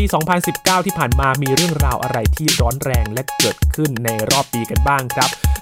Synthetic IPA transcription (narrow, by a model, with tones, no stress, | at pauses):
piː˧sɔː˩˦ŋpʰa˧nsi˨˩p̚kaː˥˩wt̪ʰiː˥˩pʰaː˨˩nmaː˧miː˧ɾɯ˥˩əŋɾaː˧wʔa̰˧ɾa˧jt̪ʰiː˥˩ɾɔː˦˥nɾɛː˧ŋlɛ˦˥kɤː˨˩t̪̚kʰɯ˥˩nːa˧jɾɔː˥˩p̚ːiː˧ka˧nbaː˥˩ŋkʰɾa˦˥p̚